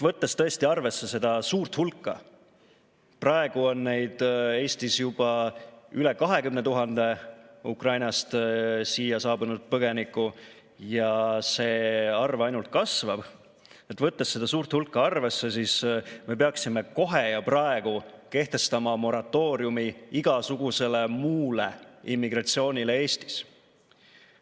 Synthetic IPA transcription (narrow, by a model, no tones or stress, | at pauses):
t̪vɤt̪ːest̪ɤ̞est̪iɑrve̞sːe̞se̞d̪̥ɑsuːrt̪hulkːˑɑ̰ | prɑe̞ɡ̥uo̞nːe̞jd̪̥e̞ːst̪isjub̥ɑyle̞kɑɦe̞kymne̞t̪uɦɑnd̪̥e̞ukrɑjnɑst̪siːjɑsɑːbunud̪̥̚pɤɡ̥e̞nikːˑu | jɑse̞ːɑrvɑjnult̪̚kɑsvɑb̥ | e̞t̪ːˑvɤt̪ːesːed̪ɑsuːrt̪hulkːˑɑɑrve̞sːe̞sisme̞pe̞ɑksime̞ko̞ɦe̞jɑprɑe̞ɡ̥uke̞ht̪e̞st̪ɑmɑmo̞ɾɑt̪ːˑo̞ːɾjumiiɡ̥ɑsuɡ̥use̞le̞muːleimːiɡrɑt̪sio̞ːnʲile̞e̞ːst̪i̥s